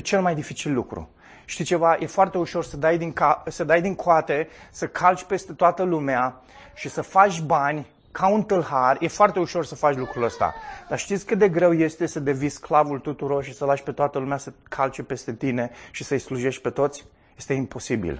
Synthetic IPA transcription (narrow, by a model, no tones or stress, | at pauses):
t͡ʃe̞lmajd̪ifit͡ʃilːukɾṵ | ʃt̪it͡ʃe̞vajʔe̞foart̪e̞uʃo̞rsəd̪ajd̪iŋkasəd̪ajd̪iŋkʰoat̪e̞səkʰalt͡ʃʲpe̞st̪e̞t̪oat̪əlumea | ʃisəfat͡ʃʲbanʲ | kʰaunt̪ɨlharje̞foart̪e̞uʃo̞rsəfat͡ʃʲlukɾuləst̪a̰d̪̥aʃt̪it̪sʲkɨt̪̚d̪e̞ɡɾe̞wje̞st̪e̞səd̪e̞visklavult̪ut̪uɾo̞rʃisəlaʃʲpe̞t̪oat̪əlumeasəkʰalt͡ʃepe̞st̪e̞t̪ine̞ʃisəjsluʒe̞ʃt̪̚ʲpe̞t̪o̞t̪sʲ | je̞st̪e̞impo̞sibḭl